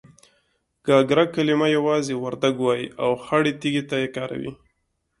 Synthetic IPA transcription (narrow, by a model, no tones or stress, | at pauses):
ɡ̥ɑɡɾakalimajawɑzewaɾd̪aɡwɑjiawxaɽet̪iɡet̪ajekɑɾa̰wḭ